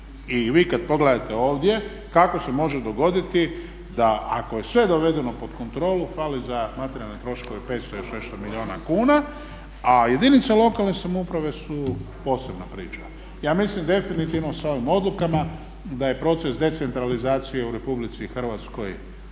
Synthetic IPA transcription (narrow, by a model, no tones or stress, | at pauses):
iʋiːkad̪̚po̞ɡled̪at̪e̞o̞ːʋd̪je̞ | kako̞se̞mo̞ʒed̪o̞ɡo̞d̪it̪i | d̪aʔa̰ko̞je̞sʋe̞d̪o̞ʋe̞d̪e̞no̞po̞d̪ko̞nt̪ɾo̞ːlufalizamat̪eɾjalnet̪ɾo̞ʃko̞ʋepe̞ːt̪st̪ojoʃneʃt̪omilio̞ːna̰kuːna | aje̞d̪init̪salo̞kalˠnesamoupɾaʋe̞su | po̞ːse̞bnapɾḭːt͡ʃa | jaːmislimd̪e̞finit̪iʋnosao̞ʋimo̞d̪lukama | d̪aje̞pɾo̞t̪se̞sd̪e̞t̪e̞nt̪ɾalizaːt̪sije̞uɾe̞publit̪sixr̩ʋat̪sko̞j